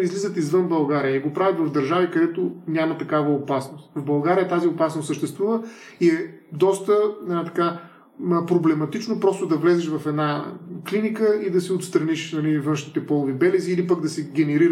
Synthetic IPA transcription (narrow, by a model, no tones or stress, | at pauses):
izlizət̪izvɤnbɐlˠɡaɾiəiɡopɾavʲjɐt̪vɐvd̪ɐɾʒavikɐd̪ɛt̪onʲamɐt̪ɐkavəopasnost̪vbɐlˠɡaɾijət̪aziopasnost̪səʃt̪ɛst̪vuvəiɛd̪ɔst̪ənɛat̪ɐ̥ka | pɾoblɛmɐt̪it͡ʃnopɾɔst̪ʊd̪ɐvlɛzɛʃvɐfɛd̪naklinikəid̪ɐsiot̪st̪ɾɐniʃnɐlivənʃnit̪ɛpɔlˠʊvibɛlɛziːlipəɡd̪ɐsɛɡʲɛnɛɾiɾ